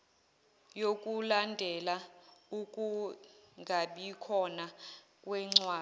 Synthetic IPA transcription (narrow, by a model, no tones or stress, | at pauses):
jokʼulandʱɛlaukʼuŋɡʱaɓikʰɔna | k̬ʼwɛŋ͡ǀwaː